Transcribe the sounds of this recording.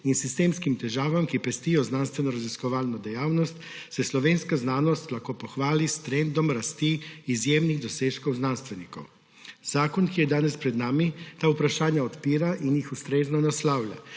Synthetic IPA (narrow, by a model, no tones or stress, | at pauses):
insist̪eːmskimt̪ɛʒaːʋamkipɛst̪ijɔznaːnst̪ʋɛnɔɾaziskɔʋaːlnɔd̪ɛjaːwnɔst̪ | sɛslɔʋenskaznaːnɔst̪laxkoːpɔxʋaːlist̪ɾɛnd̪ɔmɾast̪iːzjeːmniɣd̪ɔseːʃkɔwznanst̪ʋɛnikɔ̰w | z̥aːkɔnkijɛd̪aːnɛspɾɛd̪naːmit̪aːupɾaʃaːnjaɔt̪piːɾaʔinjixust̪ɾeːznɔnaslaːwlʲja̰